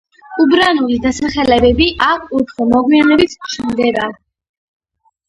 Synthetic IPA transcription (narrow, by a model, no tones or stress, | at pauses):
ubɾanulid̪asaχɛlɛbɛbiʔakʰut̪ʰχɔmɔɡmianɛbit̪ʰʃʰɛmd̪ɛɾad̪